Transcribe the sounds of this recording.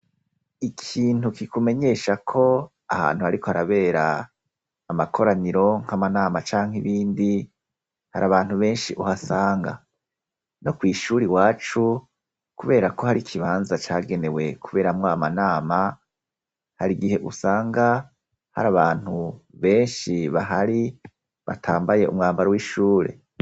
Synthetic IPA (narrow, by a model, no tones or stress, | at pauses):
ikʰiːn̥ukikume̞ɲe̞ʃakʰo̞ | aha̰ːn̥huaɾiko̞haɾaβe̞ːɾa̰ː | makʰo̞ɾaniɾo̞ŋ̥hamanaːmat͡ʃaːŋ̥iβiːndi | ha̰ɾʔaβaːnhuβe̞ːnʃiʔuhasaːŋɡa̰ | no̞kwiːʃuːɾiwaːt͡ʃu | kuβe̞ːɾako̞haɾikʰiβaːnzat͡ʃaːɡe̞ne̞we̞kʰuβe̞ːɾamwamanaːma | haɾiɡiɦe̞ʔusaːŋɡa | ha̰ɾaβaːn̥huβe̞ːnʃiβaɦaɾi | βa̰tʰaːmbaje̞ʔṵmŋaːmbaɾowiːʃuːɾe̞̰